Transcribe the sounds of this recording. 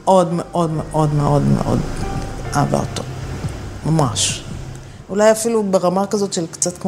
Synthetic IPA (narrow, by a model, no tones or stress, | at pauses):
ʔo̞dmeʔo̞dmeʔo̞dmeʔo̞dmḛʔo̰d | aːva̰ot̪o | mamaʃ | ulajafilubeʁamakazo̞tʃelkt͡satkm